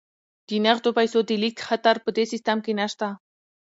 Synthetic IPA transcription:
d̪̥inaχt̪opajsod̪elikxat̪aɾpəd̪esɪst̪amkenaʃt̪a

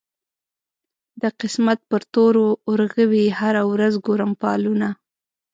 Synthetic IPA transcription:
d̪əqɪsmat̪̚pəɾt̪oɾoːɾɣəwihaɾawɾazɡoɾəmpɑluna

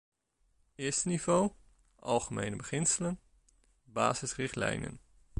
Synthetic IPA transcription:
ɪːɹstənivow | ʔɑ̰lˠχəmejnəbəχɪnsələn | ba̰ːzɪsrɪχtlɛ̰jnə̰n

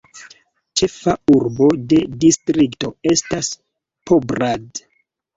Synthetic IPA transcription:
t͡ʃe̞fauɾbo̞de̞distɾikto̞e̞stas | pobɾad

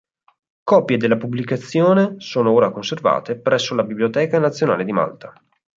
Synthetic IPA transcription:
kɔpjed̪elːapubːlikat̪sːjoːnesoːnooːɾakonserva̰ːt̪epɾɛsːolabibliot̪ɛːkanat̪sːjona̰ːled̪ima̰lt̪ḁ

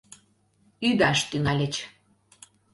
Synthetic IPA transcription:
yd̪aʃt̪yŋælʲet͡ɕ

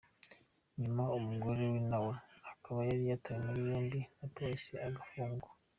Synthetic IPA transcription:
ɲumaumuɡo̞ɾewinawahakaβajaɾijataɾinuβjoːnbinapoisiaɡafuːŋɡa

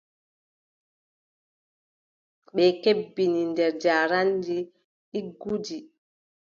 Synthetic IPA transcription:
ɓɛkebːinindɛɾd͡ʒaːɾandi | iɡud͡ʒi

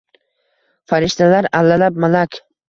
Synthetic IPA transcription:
faɾɪʃt̪alaɾalːalap̚malakʲ

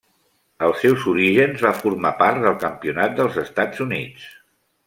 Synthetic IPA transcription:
əlˠsːɛwzuɾiʒənzβafuɾmapaɾt̪ðəlˠkəmpiunat̪̚d̪əlˠzəst̪ad͡zunit͡s

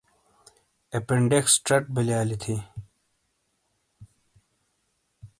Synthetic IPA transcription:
epeɳɖeksʈɾɐʈ̚biljaːlit̪ʰi

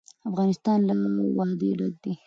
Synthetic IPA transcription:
afɣɑnɪst̪ɑnlawɑd̪ḛɽat̪̚d̪i

